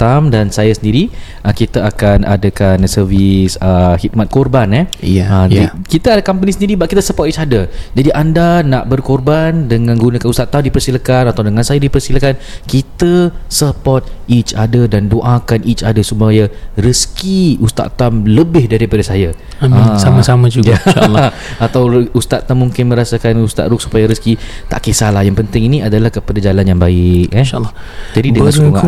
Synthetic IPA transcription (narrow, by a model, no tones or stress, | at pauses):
t̪amdansajasəndiɾiʔəkit̪əakanʔa̰dakansərvisəhit̪̚mat̪̚kɔrbanɛəikit̪əadakamp̬ənisəndiɾibaʔkit̪əsəpɔt̚it͡ʃadəd͡ʒadiʔandanaʔbərkorbandəŋãnɡunakanust̪aʔt̪ːamdipərsilakanat̪awdəŋansajadipərsilakankit̪əsəpɔt̪̚it͡ʃadadandoʔakanit͡ʃadasupajarəskiust̪a̰ʔt̪amləbɪhdaɾipadasaja | am̃samasamãd͡ʒuja | at̪awust̪at̪̚t̪amːũŋkɪnmə̃ɾasakanust̪a̰t̪̚ɾʊk̚su̥pajaɾəskit̪a̰ʔkesalahjaŋpənt̪ɪŋiniadalahkəpadad͡ʒalanjaŋbaɪk̚ɛʃalː | d͡ʒadidəkauŋa